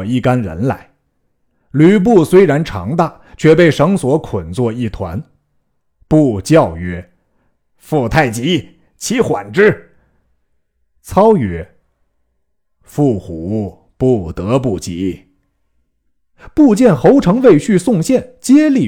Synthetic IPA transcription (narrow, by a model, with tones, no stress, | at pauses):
i˥˩ka˥nɻə̰˧˥nla̰˧˥ɪ | ly˧˥p̬u˥˩swe˥ɪɻa˧˥nʈ͡ʂʰɑ̰˧˥ŋt̪a˥˩ | t͡ɕʰɥɛ˥˧pe˥˩ɪʂɤ˧˥ŋswɔ˧˥kʰə˨˩nt͡swɔ˥˧i˥˩t̪ʰwa̰˧˥n | pu˥˧t͡ɕjɑ˥˩ʊɥɛ˧˥ | fu˥˧t̪ʰa˥˩ɪt͡ɕi˧˥ | t͡ɕʰi˧˥xwa̰˨˩nʈ͡ʂɻ̩˥˩ | t͡sʰɑ˥ʊɥɛ˧˥ | fu˥˩xu˧˥ | pu˥˩t̪ɤ˧˥p̬u˥˩t͡ɕi˧˥ | pu˥˧t͡ɕjɛ˥˩nxo˧˥ʊʈ͡ʂʰɤ˧˥ŋwe˥˧ɪɕy˥˧sʊ˥˧ŋɕjɛ˥˩nt͡ɕjɛ˥li˥˩